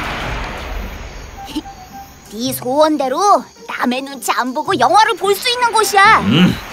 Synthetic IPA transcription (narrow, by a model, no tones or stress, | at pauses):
tisʰowʌnde̞ɾo | name̞nont͡ɕʰiamboɡojʌŋɦwaɾɯɭpoɭs͈uinːɯnɡoɕʰia